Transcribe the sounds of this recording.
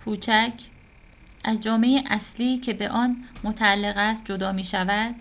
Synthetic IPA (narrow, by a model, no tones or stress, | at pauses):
kʰuːt͡ʃʰæcʰ | ʔæzd͡ʒɒːme̞jeʔæsliːcʰe̞be̞ʔɒːnmot̪ʰæælːe̞ɣæst̪̚d͡ʒo̞d̪ɒːmiːʃævæd̪̥